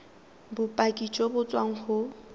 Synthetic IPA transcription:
bʊpʼakʼit͡ʃʼɔbʊt͡sʼwaŋ̩χʊ

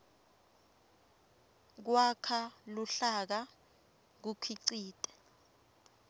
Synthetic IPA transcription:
k̬wakʰaluɬak̬a | k̬ukʰiǀiːtʼɛ̥

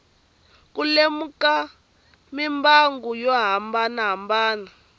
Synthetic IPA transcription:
k̬ulemuka | mimbaŋɡujɔɦambanaɦambaːna

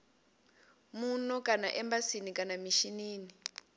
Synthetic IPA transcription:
munɔkanaʔɛmbasinikanamiʃiniːni

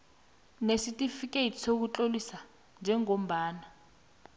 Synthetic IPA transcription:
nesitʼifik̬ʼetʰi̥sok̬ut͡ɬʼolisa | nd͡ʒʱɛŋom̩baːna

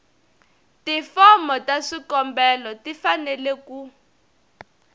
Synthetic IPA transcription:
tifɔmɔtaʂikɔmbɛlɔtifanɛleku

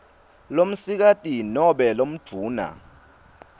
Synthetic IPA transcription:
lom̩sik̬atʼinɔɓɛlom̩̥d͡v̥ʱuːna̰

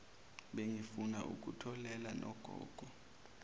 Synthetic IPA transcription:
ɓeŋifunaʔuk̬ʼutʰɔlɛlanɔɡ̥ʱɔ̰ːɡ̥ʱɔ

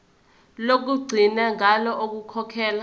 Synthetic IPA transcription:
lok̬uɡ͡ǀʱinaŋʱalɔʔok̬ukʰɔkʰɛːla

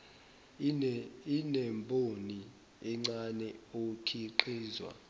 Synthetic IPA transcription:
inɛmbʱʼoni | ɛŋ͡ǀanɛokʰiǃiːzwa̰

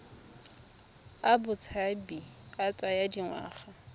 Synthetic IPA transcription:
abʊt͡sʰabiat͡sʼajadiŋwa̰ːχa

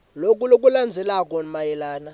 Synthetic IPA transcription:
lokʼulokʼuland͡zʱɛlakʼɔmajɛlaːna

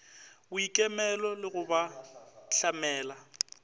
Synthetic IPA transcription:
ʊikʼɛmɛlɔlɪɣʊbaɬamɛːla

